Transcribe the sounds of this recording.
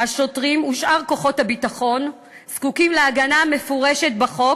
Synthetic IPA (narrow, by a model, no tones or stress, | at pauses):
aʃo̞tʁimuʃʔaʁko̞χo̞thabitaχo̞n | skukimleaɡaname̞foʁeʃetbaχo̞